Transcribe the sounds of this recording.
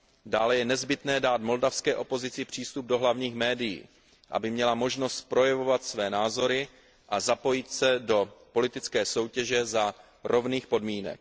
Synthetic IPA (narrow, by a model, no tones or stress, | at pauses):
daːlɛjɛnɛzbɪt̪nɛːdaːt̪mo̞ldafskɛːʔo̞po̞zɪt͡sɪpr̝̥iːst̪ub̚do̞ɦlavɲiːxmɛːdɪjḭː | ʔa̰bɪmɲɛlamo̞ʒno̞st̪pɾo̞jɛvo̞vat̪svɛːnaːzo̞ɾɪ | ʔazapo̞jɪt̪sɛdo̞po̞lɪt̪ɪt͡skɛːso̞wcɛʒɛza | ɾo̞vniːxpo̞dmiːnɛ̰k̚